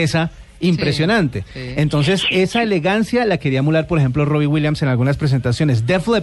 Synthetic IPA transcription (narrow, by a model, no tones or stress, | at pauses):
esa | impɾe̞sjo̞nãnt̪eent̪o̞ns̬e̞se̞sae̞le̞ɣansjalake̞ɾiamulaɾpo̞ɾexe̞mplo̞ro̞βiwiljamse̞nalɣunaspɾe̞s̬e̞nt̪asjo̞ne̞s̬d̪efle